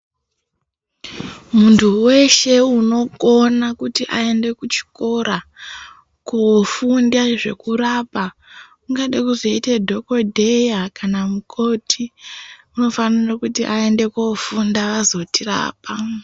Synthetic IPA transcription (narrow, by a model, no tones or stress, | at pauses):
muntʰuwe̞ʃe̞uno̞konakutiʔae̞nde̞kut͡ʃi̥ko̞ɾa | kofundaʐe̞̰kuɾaːpa | uŋɡaɗakuzo̞itedʱo̞ko̞dʱejakanamukʰo̞tʰiuno̞fanirakutiʔae̞nde̞kofundaʋazo̞tira̰ːp̚a